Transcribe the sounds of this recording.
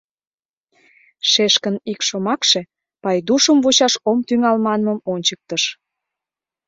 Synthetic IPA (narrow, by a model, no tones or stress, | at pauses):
ʃeʃkənikʃomɑkʃe | pɑjd̪uʃəmvut͡ɕɑʃomt̪yŋɑlmɑnməmonʲt͡ɕək̚t̪əʃ